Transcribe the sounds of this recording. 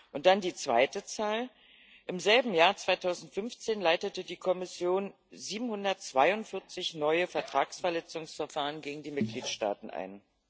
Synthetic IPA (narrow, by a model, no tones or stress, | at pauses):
ʔʊnt̚d̥andiːt͡sv̥a̰ɪtət͡saːl | ʔɪmzɛlbm̩jaːɐt͡sv̥aɪtʰaʊzn̩tfʏnft͡seːnlaɪtətədiːkʰɔmɪsjoːn | ziːbm̩hʊndɐtt͡sv̥aɪʊntfɪɐt͡sɪçnɔʏəfɛɐtʁ̥aːksfɛɐlɛt͡sʊŋsfɛɐfaːʁənɡeːɡŋ̩diːmɪt̚ɡ̥liːtʃta̰ːtn̩ʔa̰ɪn